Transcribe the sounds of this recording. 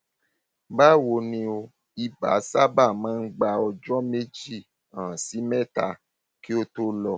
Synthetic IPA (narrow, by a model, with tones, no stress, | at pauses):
ba˦wo˧˦nĩ˧o˧ | i˨ba̰˨˦sa˦ba˦˨mãː˨˦n̩˦ɡ͡ba˧ɔ˧d͡ʒɔ˦me˦d͡ʒi˦˨ | ã˨si˨˦mɛ̃˦˨ta̰˧ | ki˦o˦to˦lɔ˧˨